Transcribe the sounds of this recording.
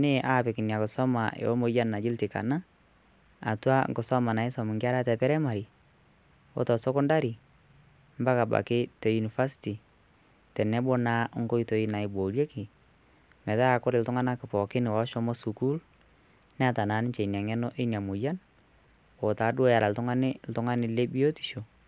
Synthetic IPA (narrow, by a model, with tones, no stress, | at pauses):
nɪ˦ʔa˨pɪ˨kɪ˨nja˨kɔ˨sɔ˦ma˨ʔḛ˨wɔ˦mo˨˦ja˦nːa˨d͡ʒɪ˦ltɪ˨ka̰˨na˦ | a̰˨twa˦ŋɡɔ˨sɔ˦ma˨na˨ɪ˦sɔ˨mɪ˨ŋɡa˦ɾa˦tɛ˨pɛ˦ɾɛ˦ma˨ɾi˨ | o̰˦tɔ˨sɔ˦kɔ˦nda˦ɾi˨ | mba˦ka˨ba̰˨kɪ˦tɔ˨ju˨ni˨fa˦si̥ti˨ | tɛ˨nɛ˦bo˦na˦ŋɡo˦i˨to˨i˦na˨ɪ˨bo˨ɾje˦kɪ˨ | mɛ˨ta˦a˨kʊ˦ɾɪ˨ltʊ˦ŋa˦na˦kɪ˨pɔ˨kɪ˦nɪ˨wa˨˦ʃɔ˦mɔ˦su˨ku˦l | n˦a˦ta˨na˨˦nɪ˦t͡ʃe˨na˨ŋɛ˦no˦ʔɪ˦nja˨mu˨ja˦n | o˨taː˨˦dʊ˦o˦ja˨la˨ltʊ˦ŋa˦nɪ˦ltʊ˦ŋa˦nɪ˨le˦bi˦o˦ti̥˨ʃo˨